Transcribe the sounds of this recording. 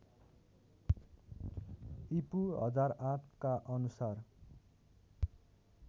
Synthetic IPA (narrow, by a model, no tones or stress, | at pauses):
ipuɦʌ̰d͡zarãʈʰkaʔʌnusar